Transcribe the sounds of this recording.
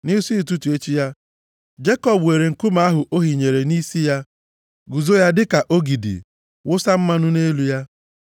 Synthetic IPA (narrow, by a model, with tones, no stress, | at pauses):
ni˦si˦˨tu˦tu˨e˦t͡ʃi˦ja˦ | d͡ʒe˦kɔ˨bwe˨ɾe˨ŋ̩˨kʊ˦ma˨a˦ɦʊ˨ʔo˦ɦi˨ɲe˨ɾe˨ni˦si˦ja˦ | ɡu˨zo˦ja˦dɪ˦ka˨ʔo˦ɡi˨dḭ˨ | wʊ˦sa˦m̩˦ma˦nʊ˦ne˦lu˦ja˦